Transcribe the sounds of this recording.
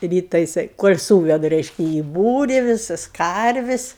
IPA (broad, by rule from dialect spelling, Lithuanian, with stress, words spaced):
ˈrʲiːtɐ jɪˈsɐɪ ˈkoːlʲ suːʋʲɛdɐ ˈrʲɛɪʃʲkʲɛ iː ˈbuːrʲɪ ˈʋʲɪsɐs ˈkɐrʲʋʲɪsʲ